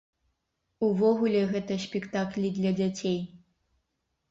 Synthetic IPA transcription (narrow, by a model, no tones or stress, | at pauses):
uvɔɣulʲɛɣɛt̪ɐsʲpʲɛkt̪aklʲid̪lʲɐd͡zʲat͡sʲej